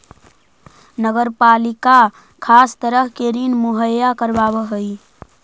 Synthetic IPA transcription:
nəɡəɾpalika | kʰast̪əɾəɦkeɾinmuɦəjakəɾbabəɦəj

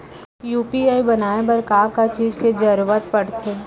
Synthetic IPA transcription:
juːpiaːibɐnaːebəɾkaːkat͡ʃiːd͡ʒked͡ʒɐɾuʋət̪̚pɐɽt̪ʰeː

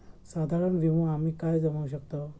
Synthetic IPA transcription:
sad̪ʱaɾəɳʋiʋõam̤iːkajd͡zəʋaʋɕ̬əkt̪ə

